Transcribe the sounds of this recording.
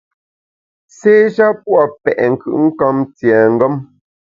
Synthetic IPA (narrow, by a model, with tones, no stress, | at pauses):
seː˦ʒa˦pwɔ˨pɛ̰˨ʔŋ̩˨kɯ̰˨ʔŋ̩˦kɔ˦mt͡sjɛ˨ŋ̩˦ɡə˦m